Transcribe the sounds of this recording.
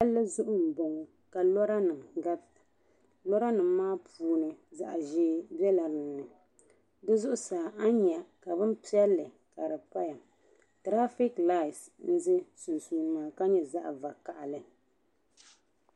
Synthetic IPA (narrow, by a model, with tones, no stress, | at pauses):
a˦lːɨ˦zʊ˦ʔʊ˦m̩˨bɔ˨ŋɔ˨ | ka˨lɔ˦ɾa˦nɨ˨mɡa˦b | lɔ˦ɾa˦nɨ˨mː˦aː˦pʰuː˨˦nɨ˨za˨ʔa˨ʒɪː˦bɛ˦la˨ɾɨ˨˦nɨ˨ | dɨ˦zʊ˦ʔʊ˦saː˨ʔa˦ɲɛ˨ka˨bɨ˦m˦pi˦ɛ˦lːɨ˨ | ka˨ɾɨ˨pa˦ja˨ | tɾa˦fi˦kla˦˨s | n̩˦zɪ˦su˨nsuː˨nɨ˨maː˨ka˦ɲɛ˨za˦ʔa̰˨va˨ka˨ʔa˨lɨ˨